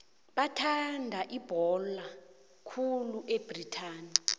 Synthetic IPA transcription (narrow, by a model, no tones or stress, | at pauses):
ɓatʰandʱaʔib̥ʱɔla | kʰuluʔeb̥ritʰaːni